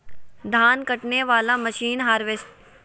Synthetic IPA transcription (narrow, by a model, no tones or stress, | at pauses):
d̪ʱaːnkɐʈneʋaːlaməʃiːnɦaːɾʋesʈ